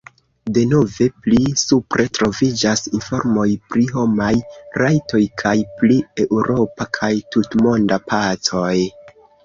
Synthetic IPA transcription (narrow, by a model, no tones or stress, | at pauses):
de̞no̞ve̞plisupɾe̞tɾo̞vid͡ʒasinfo̞ɾmo̞jpɾiɦo̞majɾajtʰo̞jkʰajplie̞ʔuɾʔo̞pakʰajtutmo̞ndapʰat͡so̞j